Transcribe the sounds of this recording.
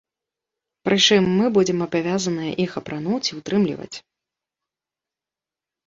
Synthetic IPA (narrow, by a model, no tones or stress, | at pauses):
pɾʔɨt͡ʂɨmːɨbud͡zʲɛmɐbavʲazɐnɨjɐ̰ʔixɐpɾanut͡sʲiwt̪ɾɨmlʲḭvɐ̰t͡sʲ